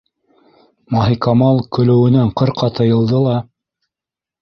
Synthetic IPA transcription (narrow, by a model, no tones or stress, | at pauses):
mɑɦikɑmɑlˠkɵ̆lɵ̆wɘ̆næɴqɤɾqʰɑt̪ɤ̆jɤ̆lˠd̪ɤlˠɑ